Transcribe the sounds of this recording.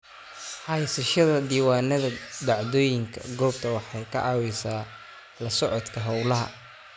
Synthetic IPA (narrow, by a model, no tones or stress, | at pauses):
ħɑjsɐʃɐðɐd̪iːwaːnɐðɐd̪ɑʕðɔːjɪŋkʰɐ̰ɡɔːbt̪ʰɐwɑħɑjkʰɐ̰ʔɑːwɛsaː | lɐsɔʕɔt̪kʰɐɦɐwlɐɦɐ̰